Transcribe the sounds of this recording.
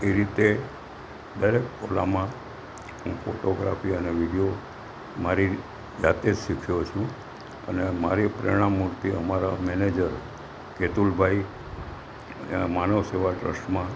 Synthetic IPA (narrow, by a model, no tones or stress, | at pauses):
eɾit̪e | d̪əɾekola̰mã | ɦũfoʈoɡɾa̰fiəneʋiɖijo | maɾi | d͡ʒat̪ed͡ʒʃikʰjot͡ʃʰũ | ə̰nemaɾipəɾḭɽ̃ãmːuɾt̪iəmaɾamɛned͡ʒəɾ | ket̪ulbʱai | manəʋseʋaʈɾə̰sʈmã